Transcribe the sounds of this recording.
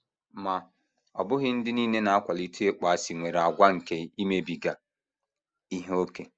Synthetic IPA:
ma˨ | ɔ̰˨bʊ˦ɣɪ˦n̩˦dɪ˦niː˦ne˦na˨a˦kʷa˨li˦tu˦e˦k͡pa˨a˨si˨ŋʷe˨ɾa˨ɡʷa˦ŋ̩˨ke˦i˦me˦bi˨ɡa˨ | i˦ɦe˦o˦ke˨

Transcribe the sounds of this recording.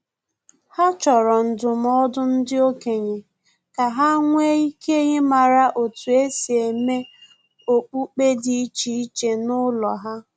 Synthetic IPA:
ha˦t͡ʃɔ˨ɾɔ˨n̩˨dʊ˨m˦ɔ˦dʊ˦n̩˦dɪ˦o˦ke˨ɲe˨ | ka˨ɦa˦ŋʷe˦i˦ke˦ɲe˦ma˨ɾa˨ʔo˨tu˨e˦si˨e˨me˦ | o˨k͡pu˦k͡pe˦di˦i˦t͡ʃi˨˦i˦t͡ʃe˨nʊ˦lɔ˨ɦa˦

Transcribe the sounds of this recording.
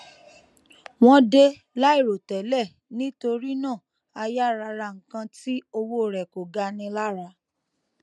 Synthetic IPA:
w̃ɔ̃˦de˧ | la˦i˦˨ɾo˨tɛ˨lɛ˦˨ | nĩ˦to˧ɾi˦nãː˦˨ | a˧ja˦ɾa˧ɾa˧ŋ̩˨kã˧ti˦o˧wo˦˨ɾɛ˨ko˨ɡa˧nĩ˧la˦ɾa˧

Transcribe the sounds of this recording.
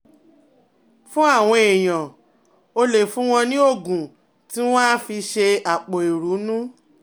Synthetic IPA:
fũ˦a˦˨w̃ɔ̃˧e˨j̃ã˨ | o˧le˨fũ˨˦w̃ɔ̃˧nĩ˦o˦˨ɡũ˨ | ti˦w̃ɔ̃˦a˦fi˧ʃe˧a˨k͡po˨i˨ɾu˨˦nũ˦

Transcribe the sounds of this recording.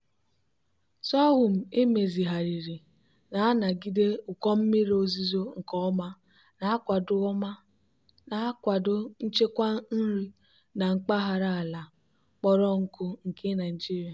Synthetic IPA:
sɔ˦ɣʊ˨m̩˨e˦me˨zi˨ɦa˨ɾi˨ɾi˨ | na˨a˦na˨ɡi˦de˦ʊ˨kʷɔ˦m̩˦mi˦ɾo˨zi˦zo˦ŋ̩˨kɔ˦ɔ˦ma˦ | na˨a˦kʷa˨dʊ˦ma˦ | na˨˦kʷa˨dʊ˦n̩˦t͡ʃe˦kʷa˦n̩˦ɾi˦ | na˨ŋ͡m̩˦k͡pa˦ɦa˨ɾa˦˨la˨ | k͡pɔ˦ɾɔ˦ŋ̩˦kʊ˦ŋ̩˨ke˦na˨d͡ʒi˦ɾja˨

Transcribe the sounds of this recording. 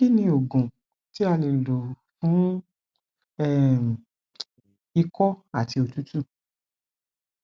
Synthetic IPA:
i˦nĩ˧o˨ɡũ˨ | ti˦a˧le˨lo˨ | fũ˨˦ | ɛ˦˨ | i˧kɔ˦a˦˨ti˧o˧tu˦tũ˦˨

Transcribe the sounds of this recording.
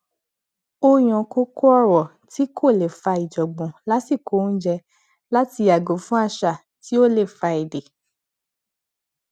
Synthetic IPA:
o˧j̃ɔ̃˨ko˦ko˦ɔ˧˦ɾɔ˨ | ti˨˦kʰo˦˨le˨fa˧i˨d͡ʒɔ˨ɡ͡bɔ̃˨la˦si˦˨ko˨˦n̩˦d͡ʒɛ˧ | la˦ti˧a˨ɡo˨˦fũ˦a˧ʃa˨ | ti˦o˦le˦˨fa˧i˨de˨

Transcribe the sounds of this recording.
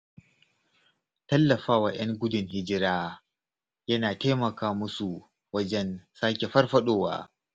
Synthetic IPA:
tɐ˦lːɐ˨ɸaː˦waː˨j̰ɐ˦ŋɡʷʊ˦dʊ˨ŋhɪ˦d͡ʒɪ˦ɾaː˦ | jɐ˦naː˨teː˦mɐ˨kaː˦mʊ˦su˨ | wɐ˦d͡ʒɛ˦nsaː˦kʲe˨ɸɐ˦rɸɐ˦ɗoː˦wa̰ː˦

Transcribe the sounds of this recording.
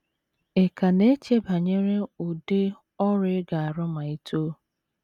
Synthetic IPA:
e˨ka˨ne˦t͡ʃe˦ba˨ɲe˦ɾe˦ʊ˨de˦ | ɔ˦ɾɪ˦ɡa˨a˨ɾʊ˦ma˨i˦tʰoː˦

